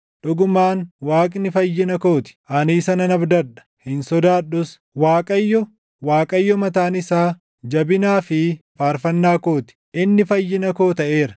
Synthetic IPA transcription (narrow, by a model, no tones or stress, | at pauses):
ᶑʊɡʊmaːnwaːkʼnɪfɐjːɪnɐko̞ːt̪ɪ̥ʔɐniːsɐnɐnɐbd̪ɐᶑɐ̥hɪnsɔd̪aːɗʊs | waːkʼɐjːɔ | waːkʼɐjːɔmɐt̪aːnɪsaː | d͡ʒɐbɪnaːfɪfaːɾfɐnːaːkoːt̪ɪ̥ʔɪnːɪfɐjːɪnɐko̞ːt̪ɐʔe̞ːɾɐ